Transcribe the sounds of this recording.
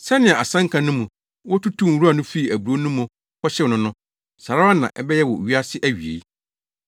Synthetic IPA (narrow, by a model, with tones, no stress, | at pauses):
sɛ˦nɪ̃˨ã˨a˨sã˦ŋ̩˦kʰã˨nʊ̃˦mũ˨ | wɔ˦tu˦tʰũ˦˨ɾu˦a˨nʊ̃˦fi˦i˨æ˨bɾo˦nũ˦mʊ̃˨ | kɔ˦ɕɛ˦nʊ̃˦nʊ̃˦ | sa˨ɾa˦a˦nã̰˨ʔɛ˦bɛ˦jɛ˦wɔ˨ɥi˦a˦sɪ˦ʔæ˦ɥi˨ḛ˨i˦